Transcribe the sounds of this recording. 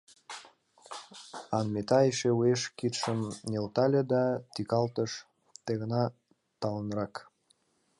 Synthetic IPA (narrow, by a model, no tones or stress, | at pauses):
ɑnmet̪ɑeʃeueʃkit̪ʃəmnʲelt̪ɑlʲed̪ɑt̪ikɑlt̪əʃ | t̪eɣənɑ | t̪ɑlənɾɑk